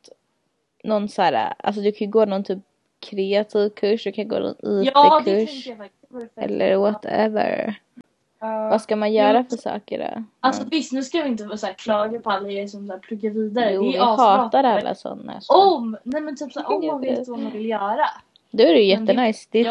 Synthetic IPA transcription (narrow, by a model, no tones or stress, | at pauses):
t̪ | nɔnːsæːɾa̰ʔa̰ls̬ɔd̪ɵkʰãnjɵɡoːnɔnt̪ʰyːp̚ | kʰɾeːat̪ʰiːvkʰɵʂːd̪ɵkʰanjɡo̰ːnɔ̰niːədk̪ʰɵʂɛŋkəjavɛɾk | ɛ̰lːʔə̰ɾwɔt̪ʰɛ̰və̰ɾ | vaskamanjœːɾafœʂɑ̰ːkə̰ɖɔ̰alsɔvɪst̪nʉskajɪɪnt̪əvɑsæːɾkʰlɑːɡəɾpʰɔalːaɾɛsɔmsæːɾpʰlɵɡːaɾviːd̪aɾəjuːjahɑːt̪aɾalːʔa̰sɔ̰nːa̰ɔmnɛmɛnt̪ʰyːpsaːʔɔmanvet̪ːvamanvɪljœːɾa | d̪ɛæɾɛjjɛt̪ːənajsd̪ɛ